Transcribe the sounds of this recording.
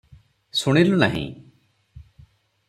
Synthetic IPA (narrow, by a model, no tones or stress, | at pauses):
suɽ̃iluna̰ɦḭ̃